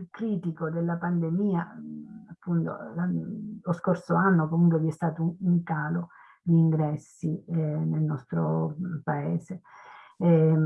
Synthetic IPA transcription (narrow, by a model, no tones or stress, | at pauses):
lkɾiːt̪ikod̪elːapand̪emiːaapːunt̪o̰laloskorsoanːokomuŋkweviɛst̪aːt̪ouŋkaːlo | d̪iːŋɡɾɛsːinelnɔst̪ɾopaɛːse | ɛ